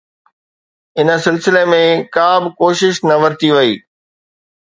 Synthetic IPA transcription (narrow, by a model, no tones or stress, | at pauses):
ɪnə̆sɪlsɪlemẽkaːbɪkoːʃɪʃnɐʋɐɾt̪iʋɐiː